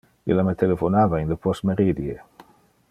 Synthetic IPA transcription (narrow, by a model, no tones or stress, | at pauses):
ḛlamet̪elefonavaenləpɔst̪meɾid̪je